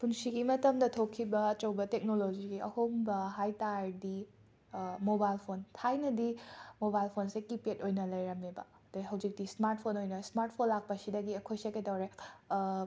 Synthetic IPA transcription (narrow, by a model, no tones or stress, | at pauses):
punsiɡimɐtɐmdɐtʰokʰːibɐːt͡ʃɐwbɐtek̚nolod͡ʒiɡiɐ̰hombɐɦajtaɾdi | mobajlpʰontʰajnɐdimobajlpʰonsekipetojnɐlɐjɾɐmebɐ̰ | duɦɐwd͡ʒik̚dismaɾt̚pʰonojnɐsmaɾt̚pʰonlak̚pɐsidɐɡiɐkʰojsekedɐwɾe